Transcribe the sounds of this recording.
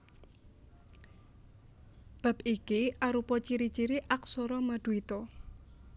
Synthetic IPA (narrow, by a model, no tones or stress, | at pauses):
b̥a̤pikiʔaɾupɔt͡ʃiɾit͡ʃiɾiʔak̚sɔɾɔmad̪̥uit̪ɔ